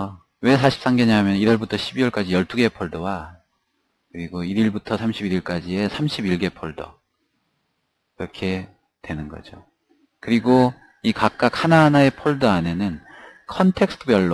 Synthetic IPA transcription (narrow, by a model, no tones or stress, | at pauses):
we̞sʰaɕʰi̥p̚s͈aŋɡeɲaɦmjʌniɾwʌɭbutʰʌɕʰibiwʌɭk͈ad͡ʑijʌɭt͈uɡe̞pʰoɭdʌwa | kɯɾiɡoiɾiɭbutʰʌsʰamɕʰibiɾiɭk͈ad͡ʑie̞sʰamɕʰibiɭɡe̞pʰoɭdʌ̰ | kiɾʌkʰe̞ | twe̞nɯnɡʌ̰d͡ʑo | kɯɾiɡo | ikak̚k͈ak̚hanaɦanae̞pʰoɭdʌane̞nɯn | kʰʌntʰe̞k̚sʰɯ̥tʰɯbjʌɭː